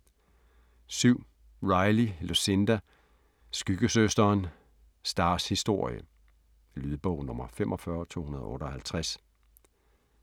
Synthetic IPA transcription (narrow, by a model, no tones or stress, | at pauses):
syʊ̰ | ʁɑ̈ɪlilusend̥æ | sɡ̥yɡ̥əsøsd̥ɐːn | sd̥ɑ̈ːshisd̥o̝ɐ̰jə̰ | lyð̞ˠb̥ɔʊnɔ̽mɐfemʔɒfɶːɐt͡sʰo̝̰ːhunɐð̞ˠɔ̽ːɾɐɒ̽hælt͡sʰʁæs